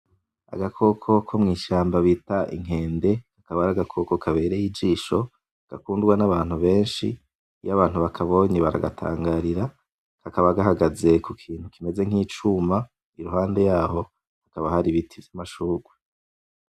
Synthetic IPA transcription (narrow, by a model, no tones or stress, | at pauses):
a̰ɡakʰo̞kʰo̞kʰomŋiːʃaːmbaβiːtaʔḭŋ̥e̞ːnde̞kḁkaβaɾaɡakʰo̞ko̞kʰaβe̞ːɾejid͡ʒiːʃo̞ | ɡ̥a̰kuːndɡwanaβaːn̥huβe̞ːnʃḭ | jaβaːn̥huβakʰaβo̞ːɲeβaɾa̰ɡatʰa̰ːŋɡaːɾiɾa | kakaβaɡaɦaɡaze̞kukʰiːn̥hukime̞ze̞ŋ̥iːt͡ʃuma | iɾuhaːnde̞jaːho̞ | hakaβahaɾiβitʰivjamaʃuːɡwe